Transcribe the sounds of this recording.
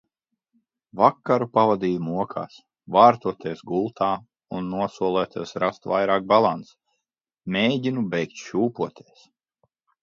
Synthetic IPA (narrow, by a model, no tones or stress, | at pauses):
vakːaɾupavad̪iːjumuɔkʰa̰ːs | vaːɾt̪uɔt̪iɛsɡulˠt̪ʰaː | unːuɔsuɔlˠæːt̪iɛsɾast̪va̰jɾaːk̚balˠant̪s | mʲeːɟinubɛjkt̪ʃuːpuɔt̪ʰiɛs